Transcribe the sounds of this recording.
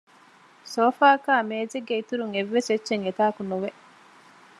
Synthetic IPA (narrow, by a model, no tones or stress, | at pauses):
soːfaːkaːmeːzeɡːeit̪uɾuŋeʋːeset͡ʃːʃeŋet̪aːɐkunuʋeʔ